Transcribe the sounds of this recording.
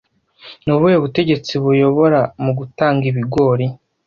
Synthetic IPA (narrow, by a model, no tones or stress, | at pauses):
nuβueβute̞ɟe̞t͡siβujo̞βo̞ɾamuɡutaːŋɡiβiɡo̞ːɾi